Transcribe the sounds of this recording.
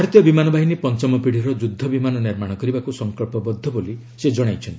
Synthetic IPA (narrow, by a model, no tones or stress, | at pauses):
aɾɔt̪jɔbimanɔbʱaɦinipɔnt͡ʃɔmɔpiɽ̤iɾɔd͡ʒud̪ʱːɔbimanɔniɾmaɽ̃ɔkɔɾibakusɔŋkɔlpɔbɔd̪ʱːɔboliised͡ʒɔɽ̃ajt͡ʃʰɔnt̪i